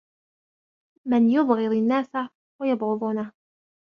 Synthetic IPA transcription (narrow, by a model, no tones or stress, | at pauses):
mɪnjʊðˤɣɪɾɪnːaːsa | wajɑbɣʊðˤuːna